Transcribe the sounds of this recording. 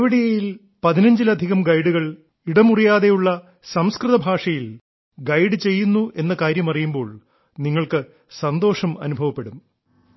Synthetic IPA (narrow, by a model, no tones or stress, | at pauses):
ʋiɽijɐjil | pɐðinɐɲd͡ʑilɐd̪ʱiɣɐmɡɐjɽuɣɐɭ | iɽɐmurijaːðe̞juɭːɐ | sɐmskrɨðɐbʱaːʂɐjil | ɡɐjɖɨt͡ɕe̞jːunːuʔe̞nːɐkaːɾjɐmɐrijumbo̞ːɭ | niŋːɐɭkɨ | sɐnd̪o̞ːʂɐmɐ̰nubʱɐʋɐpːe̞ɽum